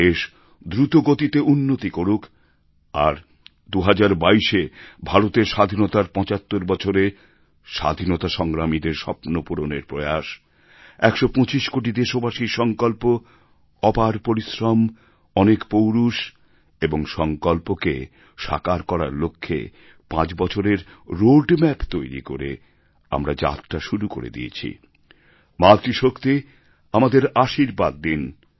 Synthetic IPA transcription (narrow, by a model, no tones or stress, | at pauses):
eʃ | d̪ɾut̪oɡot̪it̪eʔunːot̪ikoɾukʰ | a̰ɾ | d̪uɦad͡ʑaɾbaiʃebʱaɾot̪eɾʃad̪ʱinot̪aɾpɔ̃t͡ɕat̪ːoɾbɔt͡ɕʰoɾe | ʃa̰d̪ʱinot̪aʃɔŋɾamid̪eɾʃɔpnopuɾoneɾpɾoeaʃ | ɛkʃopɔ̃t͡ɕiʃkoʈ̬id̪eʃobaʃiɾʃɔŋkolpo | ɔpaɾpoɾisɾɔm | ɔnekpowɾuʃ | eboŋʃɔŋkolpoke | ʃa̰kaɾkɔɾaɾlokʰːḛ | pãt͡ɕbɔt͡ɕʰoɾeɾɾoɖmɛpt̪ojɾḭkoɾḛ | a̰mɾad͡ʑa̰t̪ʈaʃuɾuko̰ɾḛd̪ḭḛt͡ɕʰḭ | mat̪ɾiʃokt̪i | amad̪eɾaʃiɾbad̪ːin